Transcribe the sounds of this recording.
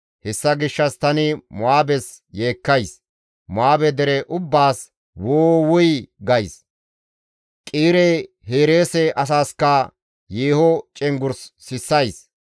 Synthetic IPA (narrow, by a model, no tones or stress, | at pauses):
hɛsːɐɡɪʃːɐst̪ɐnɪmʊaːbɛs | je̞ːkːɐjs | mʊaːbɛd̪ɛɾɛʔʊbːaːs | woːwʊjɡɐjs | kʼiːɾɛj | heːɾe̞ːsɛʔɐs̬aːskɐ | jeːhɔt͡ʃʼɛŋɡʊɾsːɪsːɐjs